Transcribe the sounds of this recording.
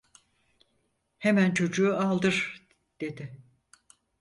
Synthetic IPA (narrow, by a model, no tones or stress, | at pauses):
hemænt͡ʃʰo̞d͡ʒuualˠd̪ɯɾ̥ | d̪̥e̞d̪ɪ